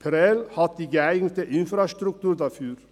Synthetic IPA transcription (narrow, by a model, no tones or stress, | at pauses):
pʰɾɛlhɑt̪̚d̪iɡəæɪɡnət̪əʔɪnfɾɑst̪ɾʉk̚t̪ʉːɾd̪æfyːɾ